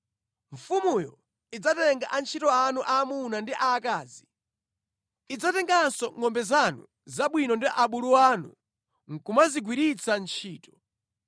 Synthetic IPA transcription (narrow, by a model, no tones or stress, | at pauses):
ɱfumujɔ | id͡zatɛŋɡaʔant͡ʃʰitɔanuʔaːmunandiʔaːkaːzi | id͡zatɛŋɡansɔŋɔmbɛzanṵ | zaɓwinɔndiʔaɓuluwanṵ | ŋ̩kumaziɡwiɾit͡sʰant͡ʃʰiːtɔ